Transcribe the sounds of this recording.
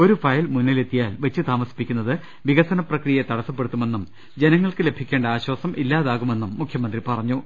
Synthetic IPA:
o̞ɾufɐjlmunːile̞t̪ːijaːlʋet͡ɕːɨt̪aːmɐsi̥pikʲːunːɐðɨ | ʋiɣɐsɐnɐprɐkrijɐt̪ɐɽɐsɐpːeɽut̪ːume̞nːum | d͡ʑe̞nɐŋːɐɭkɨle̞bʱikʲːe̞ːɳɖɐaːɕwaːsɐmʔilːaːðaːɣume̞nːumːukʰjɐmɐnd̪ripɐrɐɲːu

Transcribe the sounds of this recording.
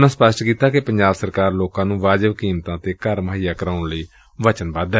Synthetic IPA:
nãːspəsʈkiːt̪aːkepəɲd͡ʒaːbsəɾkaːɾloːkãːnũːʋaːd͡ʒəʋkiːmt̪ãːt̪eːkəɾməɦijaːkəɾaːʊɳləiː | ʋət͡ʃənbaːd̪ɛ

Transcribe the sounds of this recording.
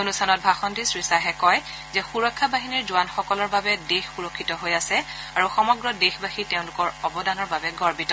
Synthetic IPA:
onustʰanɔt̚bʱaxɔntisɹisaɦɛkɔj | zɛxuɹɔkʰːabaɦiniɹzʊwanxɔkɔlɔɹbabɛdexːuɹɔkʰːitɔɦojasɛ | aɹuxɔmɔɡɹɔdexbaxiteʊ̃nlʊkɔɹɔbɔdanɔɹbabɛɡɔɹbitɔ

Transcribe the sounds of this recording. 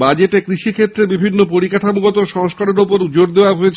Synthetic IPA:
bad͡ʑeʈekɾiʃikʰet̪ːɾebibʱinːopoɾikaʈʰamuɡɔt̪oʃɔŋʃkaɾeɾopoɾd͡ʑoɾd̪eoaɦoet͡ɕʰ

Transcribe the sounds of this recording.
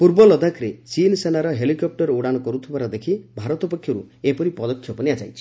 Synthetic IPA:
puɾbɔlɔd̪ʱakɾet͡ʃinsenaɾɔɦelikɔp̚ʈɔɾuɽañɔkɔɾut̪ʰibaɾɔd̪ekʰibʱaɾɔt̪ɔpɔkʰjɔɾuepɔɾipɔd̪ɔkʰːjɔpɔniad͡ʒajt͡ʃʰi̥

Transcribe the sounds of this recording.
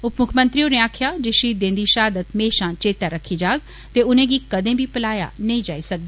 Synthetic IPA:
ʊpmʊkʰmə̃nt̪ɾijõneaːkʰijad͡ʒeʃiːt̪̚d̪ẽːnd̪iʃaːd̪ət̪meːʃãt͡ʃeːt̪jaɾɐkʰːid͡ʒaːɡ | t̪eʊn̤ẽɡikɐd̪ʱẽbʱipəlaːja̰nɐĩd͡ʒa̰ːisɐk̚d̪iː

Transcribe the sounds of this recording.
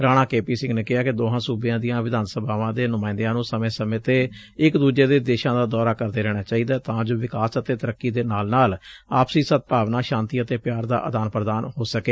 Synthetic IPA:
ɾaːɽ̃aːkeːpiːsɪ̃ŋɡneːkɪɦaːkɪd̪oːɦãːsuːbɪjãːd̪ɪjãːʋɪd̪aːnsəbʱaːʋãːd̪eːnʊmãːɪnd̪ejãːnũːsəmẽːsəmẽːt̪eː | ɪkd̪uːd͡ʒeːd̪eːd̪eːʃãːd̪aːd̪ɔːɾaːkəɾd̪eːɾɛːɽ̃aːt͡ʃaːiːd̪aːt̪ãːd͡ʒoːʋɪkaːsət̪eːt̪əɾəkːiːd̪eːnaːlnaːlaːpsiːsət̪̚paːʋnaːʃãːnt̪iːət̪eːpjaːɾd̪a̰ːʔəd̪aːnpɾəd̪aːnhoːsəkeː

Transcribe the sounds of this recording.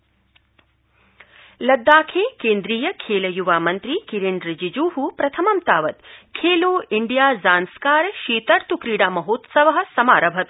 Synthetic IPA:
lɐd̪ːaːkʰeːkeːnd̪ɾiːjɐkʰeːlɐjuʋaːmɐnt̪ɾikiɾeɳɖɾɐd͡ʒid͡ʒuːɦupɾɐt̪ʰɐmɐmt̪aːʋɐt̪kʰeːloːiɳɖijaːzaːnskaːɾɐʃiːt̪ɐɾt̪ukɾiːɽaːmɐɦoːt̪sɐʋɐɦɐ̆sɐma̰ːɾɐbʱɐt̪

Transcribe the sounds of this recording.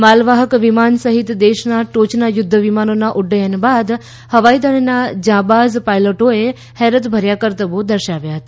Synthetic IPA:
malʋaɦəkʋimansəɦit̪d̪eʃnaʈot͡ʃnajʊd̪ʱːəʋimanonaʔʊɖːəjənbad̪ | həʋaid̪əɽnad͡ʒãbazpajloʈoe | hɛɾət̪bʱəɾjakəɾt̪əbod̪əɾʃaʋjaɦət̪a

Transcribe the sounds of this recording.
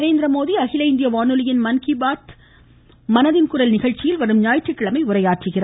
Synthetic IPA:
ɾeːnd̪ɪɾɐmoːðiɐɣɪlɐɪnd̪ɪjɐʋaːnɯlɪjɪnmɐnkɪbaːt̪ | mɐnɐðɪnkʊɾɐlnɪɣɐɻt͡ʃɪjɪlʋɐɾɯmɲaːjʈrɯkːɐɭɐmɐɪʊɾɐjaːʈrɯɣɪra

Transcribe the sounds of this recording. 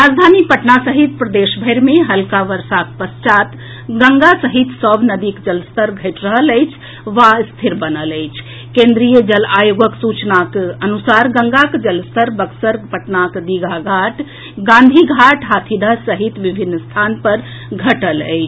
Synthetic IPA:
ɾad͡ʒd̪ʱanipəʈnasəɦit̪pɾəd̪esbʱəɪɾmeɦəlkaʋəɾsak̚pəst͡ʃat̪ | ɡəŋɡasəɦit̪səbʱnəd̪ikd͡ʒəlst̪əɾɡʱəɪʈɾəɦələjt͡ʃʰ | ʋast̪ʰiɾbənələjt͡ʃʰ | kẽnd̪ɾijəd͡ʒəlajoɡəksut͡ʃnakənusaɾɡəŋɡakd͡ʒəlst̪əɾbəksəɾpəʈnakd̪iɡʱaɡʱaʈ | ɡãnd̪ʱiɡʱaʈɦat̪ʰid̪ʱasəɦit̪ʋibʱinːəst̪ʰanpəɾ | ɡʱəʈələ̰ɪt͡ʃʰ

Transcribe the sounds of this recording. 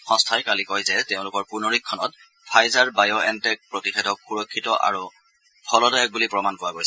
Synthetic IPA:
xɔ̃stʰajkalikɔjzɛteʊ̃lʊkɔɹpunoɹikʰːɔnɔt̚ | pʰajzaɹbajɔʔɛntɛk̚pɹotixʰɛdɔkxuɹɔkʰːitɔʔa̰ɹu | pʰɔlɔdɔɛk̚bulipɹɔmankʊwaɡojsɛ

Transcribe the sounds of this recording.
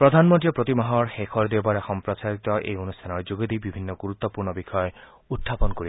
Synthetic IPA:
pɾɔd̪ʱanmɔnt̪iɔpɾɔt̪imɔɦɔɾxekʰɔɾd̪ebaɾexɔmpɾɔsaɾit̪ɔʔḛjonustʰanɔɹd͡ʒuɡid̪ibibʱinːɔɡuɾut̪ːɔpuɾɳɔbikʰɔɔ | ut̪ʰːapɔnkɔɾi

